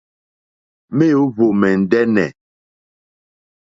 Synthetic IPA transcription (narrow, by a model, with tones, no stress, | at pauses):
me˦jo˨˦vo˨mɛ˨n̩˨dɛ˦nɛ˨